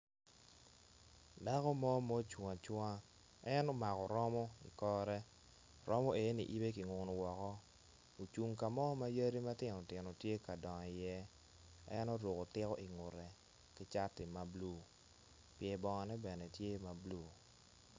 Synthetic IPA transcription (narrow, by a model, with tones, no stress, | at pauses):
da˦kɔ˦mɔ˦mɔ˦t͡ʃwa˨t͡ʃwa˦ | ɛ˦nɔ˦ma˨kɔ˨ɾɔ˦mɔ˦ḭ˨kɔ˦ɾɛ˦ | ɾɔ˦mɔ˦e˨˦nḭ˨ʔi˦be˦ki˨ŋʊ˨no˨wɔ˨kɔ˦ | o˨t͡ʃu˨ŋka˨mɔ˦ma˦jə˦ɾi˦ma˦tɪ˦nɔ˨tɪ˨no˨tje˦ka˨dɔ˨ŋɔ˨i˨jɛ˦ | ɛ˦nɔ˦ɾo˨ko˨tɪ˦kɔ̰˦ʔi˨ŋʊ˨ɾɛ˨ | ki˦t͡ʃa˦tɪ˨ma˨blu˦˨ | pjɛ˨bɔ˨ŋa˨nɛ˦bɛ˨nɛ˨tje˦ma˨bluː˦˨